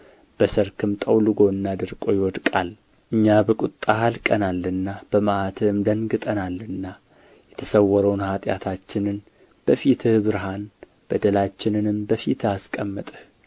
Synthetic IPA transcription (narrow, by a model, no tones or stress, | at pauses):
b̥əsəɾkʰɨmt̪ʼəwlɨɡo̞ɨnːad̪ɨɾkʼo̞jɪwɔd̪kʼal | ʔɨɲːabəkʼut̪ʼːahalkʼənalːɨnːab̥əməʔat̪ʰɨɨmd̪əŋɡɨt̪ʼənalːɨnːa | jɛt̪ʰəsəwːɔɾəwnhat̪ʼja̰t̪ʰat͡ʃːɪnɨn | b̥əfit̪ʰɨhbɨɾɦan | b̥əd̪əlat͡ʃːɪnɨnɨmbəfit̪ʰaskʼəmːət̪ʼɨh